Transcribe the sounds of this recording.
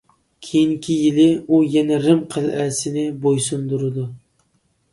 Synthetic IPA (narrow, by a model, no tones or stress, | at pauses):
kʲʰejiŋkʲʰijɪlɪujɛnɛɾɪmqʰəlˠæsɪnɪbojsund̪uɾɪd̪ʊ